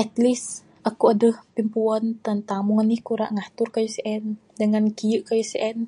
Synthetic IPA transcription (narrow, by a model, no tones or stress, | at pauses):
ʔɛt̪lis | akuadəhpimpuant̪ənt̪amuŋanihkuɾa̰ʔŋaht̪urkajusʔɛn | dəŋankijəʔkajusɛʔɛn